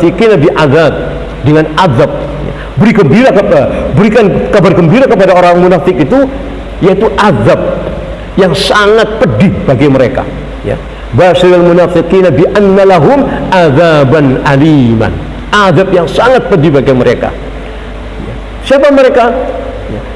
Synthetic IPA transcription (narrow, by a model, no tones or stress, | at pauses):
iqinabiʔaðab̚ | dəŋanʔaðab̚ | ja̰ | bəɾiɡəmbiɾabəɾikankabarɡəmbiɾakəpadaoɾaŋmunafɪkit̪u | jait̪uʔaðab̚ | jaŋsaŋat̪̚pədihbaɡajməɾeka̰ | ja̰ | baʃaɾalmunafiqinabiʔanːalaɦʊmʔaðabanʔalima̰n | ʔaðap̚jaŋsaŋat̪̚pədibaɡajməɾʔeka̰ | ja̰ | siapaməɾeka | ja̰